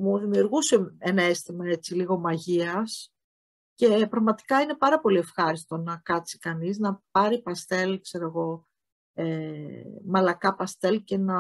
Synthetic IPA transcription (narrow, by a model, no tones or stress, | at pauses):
mozðimjuɾɣuse̞enɐest̪imɐe̞t͡siliɣo̞mɐʝiɐs | ce̞pɾɐɣmɐt̪i̥kɐine̞pɐɾɐpo̞lie̞fxɐɾist̪o̞nɐkɐt͡si̥kɐniznɐp̚ɐɾipɐst̪e̞lkse̞ɾoɣo̞ | e | mɐlɐkɐpɐst̪e̞lce̞nɐ